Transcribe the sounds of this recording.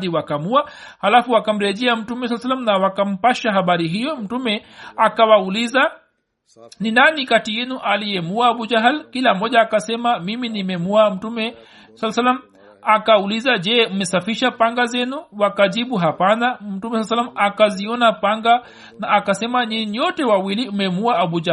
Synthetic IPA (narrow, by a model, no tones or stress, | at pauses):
ðiwakamuahalafuakam̩ɾɛʄɛam̩tumɛswalːas̬alːam̩nawakam̩paʃaɦaɓaɾiɦijɔm̩tumɛakawauliza | ninanikatijɛnuʔalijɛmuaːɓud͡ʒaɦalkilam̩ːɔʄaːkasɛmamiminimɛmuam̩tumɛ | salːasalːam | akaulizaʄɛːmɛsafiʃapaŋɡazɛnuwakaʄiɓuɦapanam̩tumɛswasalːamakaziɔnapaŋɡa | naːkasɛmaɲiɲɲɔtɛwawiliumɛmuaaɓud͡ʒa